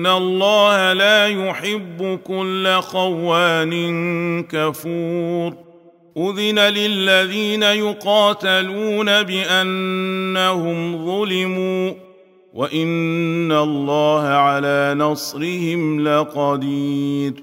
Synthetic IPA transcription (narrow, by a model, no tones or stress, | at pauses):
nːalˤːɑːhalaːjʊħɪbːʊkʊlːaqɑwːaːnɪnkafuːɾ | ʔʊðɪnalɪlːaðiːnajʊqɑːt̪aluːnabɪʔanːahʊmðˤʊlɪmuː | waʔɪnːalˤːɑːhaʕalaːnɑsˤɾɪhɪmlaqɑd̪iːɾ